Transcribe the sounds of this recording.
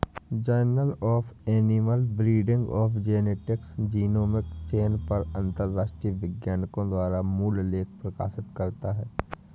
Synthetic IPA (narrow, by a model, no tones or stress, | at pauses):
d͡ʒaːnəlɔːpʰɛːniməlbɾiːɖɪ̃ŋɡɔːpʰd͡ʒeːneːʈɪksd͡ʒiːnoːmɪkt͡ʃeːnpɐɾə̃nt̪əɾːaːʃʈɾiʋɪɡjaːnkõd̪waːɾamuːlleːkʰpɾɐka̰ːʃɪt̪kɐɾt̪aɦɛː